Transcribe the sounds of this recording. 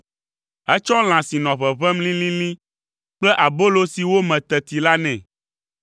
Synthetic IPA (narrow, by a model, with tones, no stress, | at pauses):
ɛ˦t͡ʃɔ˦l̃ã˨si˨nɔ̃˨βɛ˨βɛ˦mlĩ˦lĩ˦lĩ˦ | k͡plɛ˦ʔa˨bo˦lo˦si˨wo˦mɛ̃˨t̪ɛ˨t̪i˨la˦nɛ̃˨